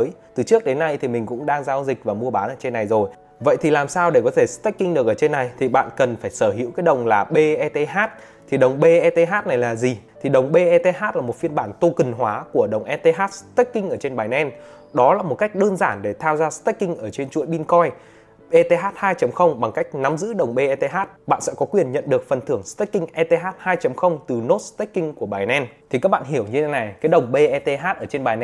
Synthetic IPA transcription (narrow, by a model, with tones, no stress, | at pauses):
əː˨˦jt̪ɨ˨˩t͡ɕɨ˦˥ək̚ɗe˨˦nːa˧jt̪ʰi˨˩mï˨˩ŋ̟kʊ̰˧˥ŋ͡mɗaː˧ŋzaː˧wzï˨˩k̟̚vaː˨˩mu˧əɓaː˨˦nʔəː˧˩t͡ɕe˧nːa˨˩jzo˨˩j | və̰˧˨jt̪ʰi˨˩laː˨˩msaː˧wɗe˧˩kɔ˨˦t̪ʰe˧˩st̪ɛ˦˥k̚kːï˧ŋ̟ɗɨ˨˩ək̚ʔəː˧˩t͡ɕe˧nːa˨˩jt̪ʰi˨˩ɓa̰ː˧˨nkə˨˩nfaː˧˩jsəː˧˩ɦḭ˧˥wkaː˨˦jɗə˨˩wŋ͡mlaː˨˩ɓe˧ʔɛ˧t̪e˧ɦaː˦˥t̚ | t̪ʰi˨˩ɗə˨˩wŋ͡mɓe˧ʔɛ˧t̪e˧ɦaː˦˥t̚na˨˩jlaː˨˩zi˨˩t̪ʰi˨˩ɗə˨˩wŋ͡mɓe˧ʔɛ˧t̪e˧ɦaː˦˥t̚la˨˩mo˨˩t̚fi˧ənɓaː˧˩nt̪o˧kɨ˨˩ŋɦwaː˨˦ku˧˩əɗə˨˩wŋ͡mʔɛ˧t̪e˧ɦaː˦˥t̚st̪ɛ˦˥k̚kːï˧ŋ̟ʔəː˧˩t͡ɕe˧nɓaː˨˩jnɛ˧n | ɗɔ˨˦laː˨˩mo˨˩t̚ka˦˥jk̚ɗəː˧nzaː˧˩nɗe˧˩t̪ʰaː˧wzaː˧st̪ɛ˦˥k̚kï˧ŋ̟ʔəː˧˩t͡ɕe˧nt͡ɕṵ˧˨jɓi˧nkɔ˧j | ʔe˧t̪e˧ɦaː˦˥t̚haː˧jt͡ɕə˨˦mxə˧wŋ͡mɓa˨˩ŋka˦˥jk̟̚na˨˦mzɨ̰˧˥ɗə˨˩wŋ͡mɓe˧ʔɛ˧t̪e˧ɦaː˦˥t̚ɓa̰ː˧˨nsɛ̰˧˥kɔ˨˦kwi˨˩ənɲə̰˧˨nɗɨ˨˩ək̚fə˨˩nt̪ʰɨ˧˩əŋst̪ɛ˦˥k̚ːï˧ŋ̟ʔɛ˧t̪e˧ɦaː˦˥t̚haː˧jt͡ɕə˨˦mxə˧wŋ͡mt̪ɨ˨˩no˦˥t̚st̪ɛ˦˥k̚kï˧ŋ̟ku˧˩əɓaː˨˩jnɛ˧nt̪ʰi˨˩ka˦˥k̚ɓa̰ː˧˨nhi˧˩əwɲɨ˧t̪ʰe˨˦na˨˩jkaː˨˦jɗə˨˩wŋ͡mɓe˧ʔɛ˧t̪e˧ɦaː˦˥t̚ʔəː˧˩t͡ɕe˧nɓaː˨˩jnɛ˧